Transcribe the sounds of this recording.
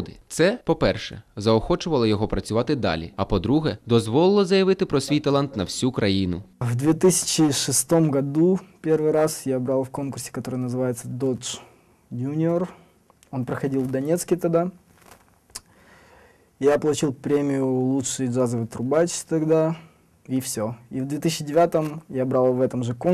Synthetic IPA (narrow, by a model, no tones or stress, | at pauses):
d̪ɪt̪sɛpɔpɛrʂɛ̰zɐɔxɔt͡ʃʊʋɐlˠɐjɔɦɔpɾɐt͡sʲʊʋɑt̪ɪd̪ɑ̰lʲḭɐpɔd̪ɾuɦɛd̪ɔzʋɔlˠɪlˠɐzɐjɐʋɪt̪ɪpɾɔsʲʋʲijt̪ɐlˠant̪nɐwsʲukɾɐjinʊvd̪vʲet̪ɨsʲɪ̥t͡ɕɪʂɨst̪o̞mɡɐd̪upʲervɨjɾasjabɾalˠfko̞nkʊrsʲɪ̥kɐt̪o̞ɾɨjnəzɨvajɪt̪səd̪ot͡ʂ | junʲɪor | o̞npɾəxɐdʲilˠvd̪ɐnʲet̪skʲɪt̪ɐd̪a | ijapəlˠʊt͡ɕilˠpɾʲemʲɪjʊlˠutʂɨjʐazəvɨt̪ɾʊbat͡ɕt̪ɐɡd̪a | ifsʲoivd̪vʲe̞t̪ɨsʲt͡ɕːɪdʲɪvʲat̪əmjabɾalˠvɛt̪əmʐɨkon